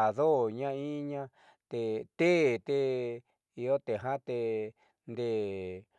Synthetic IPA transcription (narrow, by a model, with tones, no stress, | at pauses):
a˨ðo˦˨ɲã˦i˦ɲã˦ | t̪e˧˨t̪e˦˨t̪e˧ | i˧jo˦t̪e˨ɦã˦t̪e˧ | nd̪e˦˨